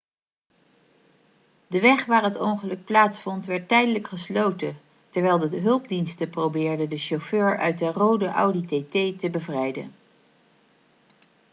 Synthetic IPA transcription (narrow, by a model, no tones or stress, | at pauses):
dəʋɛχʋaːɹɦətɔŋχəlɵk̚plaːtsfɔntʋɛɹtːɛjdələkχəslowtə | tɛɹʋɛjlˠdəɦɵlˠb̚dinstəprowbɪːɹdədəʃoføːɹœ̰ɥt̚dərowdəʔɑ̰wditetejtəbəvrɛjdə̰n